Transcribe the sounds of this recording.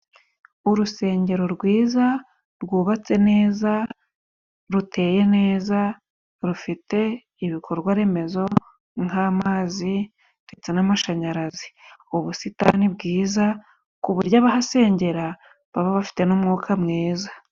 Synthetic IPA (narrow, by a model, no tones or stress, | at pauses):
uɾuse̞ːɲɟe̞ɾo̞ɾɡwiːza | ɾɡuːβat͡se̞ne̞ːza | ɾutʰe̞ːje̞ne̞ːza | ɾufite̞ | iβikʰo̞ɾɡwaɾe̞me̞zo̞ | ŋhaːmaːzi | nde̞t͡se̞namaʃaɲaɾaziuβusita̰nibɡiːza | kuβuɾɟaβaɦase̞ːɲɟe̞ɾa | βaβaβafi̥te̞numŋuːkʰamŋeːza